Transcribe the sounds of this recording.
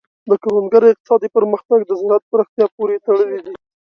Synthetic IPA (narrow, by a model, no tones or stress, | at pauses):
d̪əkaɾanɡaɾɪq̚t̪ɪ̥sɑd̪ipəɾməxt̪aɡ̚d̪əzɪɾat̪̚pəɾaxt̪jɑpoɾet̪əɽəlid̪i